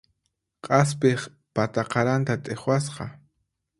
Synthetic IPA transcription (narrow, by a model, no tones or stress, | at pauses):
qʼɑspeχ | pat̪aqɑɾant̪at̪ʼeχwasqɑ